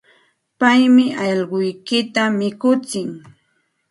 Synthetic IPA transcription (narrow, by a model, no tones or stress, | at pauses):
pajmɪʔɑʎɢʊjkɪt̪amɪkʊt͡sɪŋ